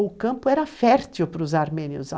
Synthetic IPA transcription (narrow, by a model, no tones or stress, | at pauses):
ʊkɐ̃mpʊɛɾɐfɛɾt͡ʃiwpɾʊzaɾmẽnjiʊ̰za